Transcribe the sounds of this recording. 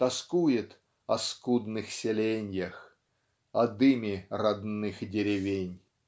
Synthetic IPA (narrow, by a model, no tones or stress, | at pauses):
t̪ɐskujɪt̪ | ɐskud̪nɨxsʲɪlʲenʲjəx | ɐd̪ɨmʲɪrɐd̪nɨxdʲɪɾʲɪvʲenʲ